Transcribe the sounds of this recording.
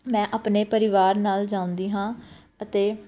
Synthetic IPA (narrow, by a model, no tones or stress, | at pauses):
mɛ̃ːʔaːpneːpəɾɪʋaːɾnaːld͡ʒãːʊ̃nd̪iːɦãː | ət̪eː